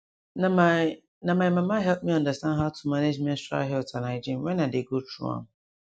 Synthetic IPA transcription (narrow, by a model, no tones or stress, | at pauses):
nama | nãmãmãmãɦɛlp̚mĩɔ̃ndastãndɦaʊtʰu̥maned͡ʒmɛ̃stɹa̰ɦɛltʰanãd͡ʒɪ̃mwɛ̃nãdeɡotʰṵã̰m